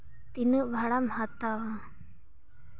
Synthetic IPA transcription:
t̪inuʔbʱaɽamhat̪awa

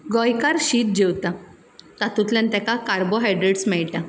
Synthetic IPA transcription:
ɡɔjkaɾɕiːt̪̚d͡ʑewt̪a | t̪at̪ut̪ljãnt̪akakaɾboɦajɖɾeɽsmɛɭʈja

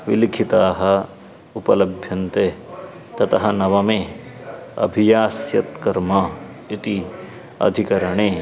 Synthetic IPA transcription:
ʋilikʰit̪aːɦɐ̆ | upɐlɐbʱjɐnt̪eː | t̪ɐt̪ɐɦɐnɐʋɐmeː | ɐ̰bʱijaːsjɐt̪kɐɾmɐ | it̪i | ɐ̰d̪ʱikɐɾɐɳeː

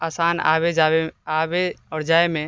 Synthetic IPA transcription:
asaːna̰βed͡ʒaeabeɔːɾd͡ʒaːemẽ

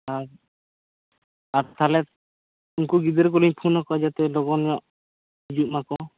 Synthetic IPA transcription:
aɾ | aɾt̪ʰalɛ | uŋkuɡid̪ɛɾk̬ɔliɲpʰunɔkɔd͡ʒat̪ɛlɔɡɔnɾɔʔ | id͡ʒuk̚makɔ

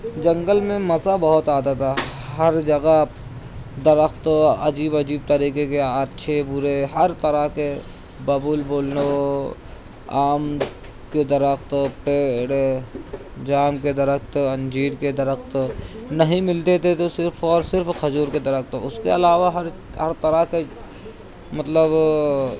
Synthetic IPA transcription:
d͡ʒɐ̃ŋɡəlmẽmɐsabɐɦʊt̪aːt̪at̪ʰaɦɐɾd͡ʒɐɡa | d̪ɐɾəxt̪ɐ̰d͡ʒiːbɐd͡ʒiːb̚t̪ɐɾiːkekeaːtːʃʰebʊɾeɦɐɾt̪ɐɾake | bɐbuːlboːlno | aːm | ked̪ɐɾəxt̪peːɽ | d͡ʒaːmked̪ɐɾəkt̪ɐ̃nd͡ʒiːɾked̪ɐɾəkt̪nɐɦĩmɪlt̪et̪ʰet̪osɪɾfʰɔːɾsɪɾfkʰɐd͡ʒuːɾked̪ɐɾək̚t̪ʊskeɐlaːʋaɦɐɾ | ɦɐɾt̪ɐɾəke | mɐt̪ləb

